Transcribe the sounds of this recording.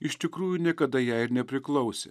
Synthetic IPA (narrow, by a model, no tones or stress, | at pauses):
ɪʃʲt̪ʲɪkɾuːjunʲiɛkɐd̪ɐjæːɪɾnʲɛpʲɾʲɪklˠɐʊsʲḛː